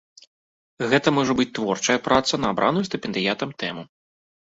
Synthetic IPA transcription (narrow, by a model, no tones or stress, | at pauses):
ɣɛt̪ɐmɔʐɐbɨt͡sʲt̪vɔrt͡ʂɐjɐpɾat̪sɐnɐːbɾanujust̪ɛpʲɛnd̪ɨjat̪ɐmt̪ɛmu